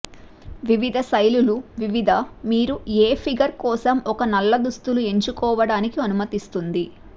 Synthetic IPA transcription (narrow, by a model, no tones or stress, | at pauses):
ʋiʋid̪ʱɐsɐjluluʋiʋid̪ʱɐmiːɾueːpʰiɡɐɾkɔːsɐmɔkɐnɐlːɐd̪ust̪ulue̞ɲt͡ʃukɔːʋɐɽaːnikiɐnumɐt̪ist̪und̪i